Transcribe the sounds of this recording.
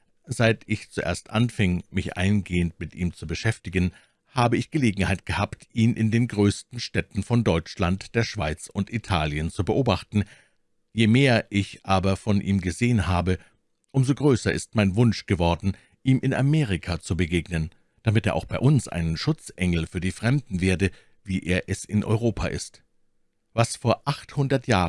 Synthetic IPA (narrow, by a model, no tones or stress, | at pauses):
z̥aɪtʰɪçt͡suʔḛːɐstʔa̰nfɪŋmɪçʔa̰ɪnɡeːəntmɪtʔiːmt͡subəʃɛftɪɡən | haːbəɪçɡ̥əleːɡŋ̩haɪt̚ɡ̥əhaːptʔiːnʔɪndeːnɡʁøːstn̩ʃtɛtn̩fɔndɔʏt͡ʃlantd̥eːɐʃv̥aɪt͡sʊntʔitʰaːljənt͡subəʔoːbaχtn̩ | jeːmeːɐʔɪçʔaːbɐfɔnʔiːmɡəzeːənhaːbə | ʔʊmzoɡʁøːsɐʔɪ̰stmaɪnvʊnʃɡ̥əvɔɐdn̩ | ʔiːmʔɪnʔa̰meːʁɪkʰat͡subəɡeːɡnən | d̥amɪteːɐʔa̰ʊxb̥aɪʔʊnsʔa̰ɪnənʃʊt͡sʔɛŋl̩fyːɐdiːfʁ̥ɛmdn̩veːɐdə | viːʔeːɐʔɛsɪnʔɔ̰ʏʁoːpʰa̰ʔɪ̰st | vasfoːɐʔaχthʊndɐtjaː